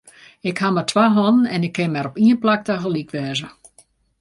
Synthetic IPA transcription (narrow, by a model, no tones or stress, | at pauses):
ɪkhamətʰwaɦɔnənɛnɪkʰːɪnmɛɾɔpiənplak̚taɣəlikʋɛːzə